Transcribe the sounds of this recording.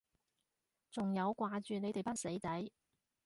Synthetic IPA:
t͡sʊ˨ŋjɐ˨˧wkwaː˧t͡ʃyː˨ne˨˧jt̪e˨jpa˥t̚se˨˥jt͡s̪ɐ˨˥j

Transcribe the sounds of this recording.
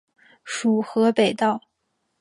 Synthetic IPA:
ʂu˨˩xɤ˧˥pe˨˩ɪt̪ɑ˥˩ʊ

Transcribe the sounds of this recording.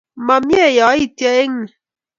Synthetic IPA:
ma˨mje˦˨jɔ˨˦i˦tjɔ˦e˦ŋi˨

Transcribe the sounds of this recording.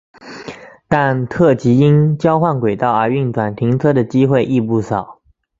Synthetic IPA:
t̪a˥˧nt̪ʰɤ˥˩t͡ɕi˧˥i˥nt͡ɕjɑ˥ʊxwa˥˩nkwe˨˩ɪt̪ɑ˥˩ʊə˞˧˥y˥˩ŋʈ͡ʂwa˨˩nt̪ʰi˧˥ŋt͡sʰɤ˥d̪ə˨t͡ɕi˥xwe˥˧ɪʔi˥˧pu˥˩sɑ˨˩˦ʊ

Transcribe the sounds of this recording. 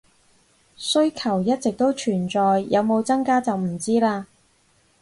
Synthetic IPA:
sɵ˥ɥkʰɐ˨˩wjɐ˥t̚t͡sɪ˨k̚t̪o˥wt͡ʃʰyː˨˩nt͡sɔː˨jːɐ˨˧wmo˨˧wt͡sɐ˥ŋkaː˥t͡sɐ˨wm̩˨˩t͡siː˥laː˧

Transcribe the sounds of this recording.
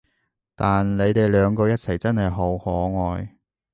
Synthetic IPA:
t̪aː˨nle˨˧jt̪e˨jlœː˨˧ŋkɔː˧jɐ˥t̚t͡sʰɐ˨˩jt͡sɐ˥nhɐ˨jɦo˨˥whɔː˨˧ŋɔː˨j

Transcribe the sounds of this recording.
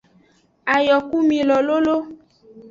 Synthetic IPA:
a˨jɔ˨ku˦mĩ˨lɔ˨lo˦lo˦

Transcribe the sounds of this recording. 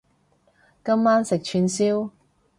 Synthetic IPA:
kɐ˥mːaː˥nsɪ˨k̚t͡ʃʰyː˧nsiː˥w

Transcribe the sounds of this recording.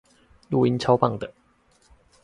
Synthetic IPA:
lu˥˨i˧˥nʰɑ˥ʊpɑ˥˩ŋd̪ə˨

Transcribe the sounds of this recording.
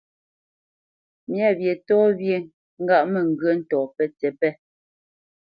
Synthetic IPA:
mja˦˨bje˨tɔː˦bje˨ | ŋ̩˦ɡa˦˨ʔmɛ˨ŋ̩˨ɡɰə˦n̩˦tɔː˨pɛ˦t͡sɛ˨pɛ˦

